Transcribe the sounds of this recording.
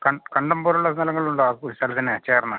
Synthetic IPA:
kɐɳkɐɳɖɐmboːɾuɭːɐnɐlɐŋːɐɭuɳɖoakuɾisaːlɐt̪ːɐnːet͡ɕeːrnːɐ

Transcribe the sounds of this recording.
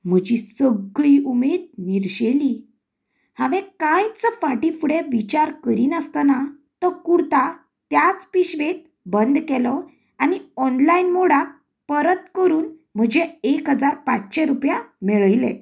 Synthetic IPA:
m̤əd͡ʑisəɡɭiːumed̪̚niɾɕeliː | hãʋẽkãjt͡səfaʈifuɽeʋit͡ɕaɾkəɾiːnəst̪ana | t̪əɾkuɾt̪a | t̪jat͡spiɕʋet̪̚ | bənd̪kɛlɔ | aniɔnlainmoɽak | pəɾət̪kəɾuːnm̤əd͡ʑeekɦəd͡zaɾpat͡sɕeɾupjameɭəjlḛ

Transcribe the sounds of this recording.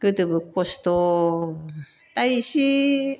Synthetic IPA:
ɡ̥ɯt̪ɯbɯkːoɕi̥t̪o | t̪aiɕi

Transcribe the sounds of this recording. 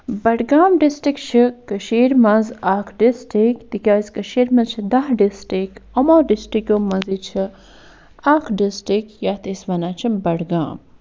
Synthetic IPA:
bɐɽɡaːmɖisʈɾikt͡ʃʰikɐʃiːɾmɐzaːkʰɖisʈikt̪ikʲaːsʲkɐʃiːɾmɐzt͡ʃʰid̪ɐɦɖisʈikɐmoːɖisʈɾikʲomɐzit͡ʃʰi | aːkʰɖisʈɾikjaːt̪isʋɐnaːt͡ʃʰibɐɽɡaːm

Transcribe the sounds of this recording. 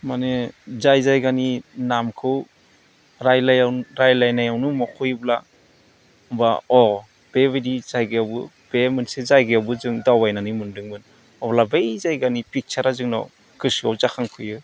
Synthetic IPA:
manezajzajɡaninamkʰɯw | ɾajlajawɾajlajnajawnumɔkʰɔjbla | mbaɔ | b̥ebedizajɡɯjawbɯ | b̥emɯnsezajɡɯjawbɯzɯŋdawajnanimɯndɯŋmɯn | ɔblabejzajɡanipik̚t͡ʃaɾazɯŋnɔ | kɯsiawzakʰaŋkʰɯjɯ

